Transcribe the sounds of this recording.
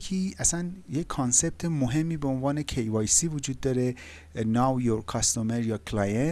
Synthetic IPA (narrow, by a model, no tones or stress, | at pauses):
kʰiːʔæsænjekʰːɒnse̞b̥̚t̪ʰemoɦe̞mːiːbeonvɒːne̞kʰejvɒːjsiːvud͡ʒuːd̪ːɒːɾe | nawjoɾkʰɒst̪omeɾjɒkʰlɑjen